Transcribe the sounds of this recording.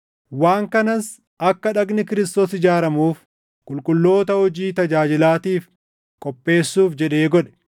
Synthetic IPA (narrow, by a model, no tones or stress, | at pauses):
waːŋkɐnɐs | ɐkːɐᶑɐɡnɪkɪɾɪst̪oːsɪd͡ʒaːɾɐmuːf | kʼʊlkʼʊlːo̞ːt̪ɐhɔd͡ʒiːt̪ɐd͡ʒaːd͡ʒɪlaːt̪iːf | kʼɔpʼːe̞ːsːuːfd͡ʒɛᶑe̞ːɡɔᶑɛ̥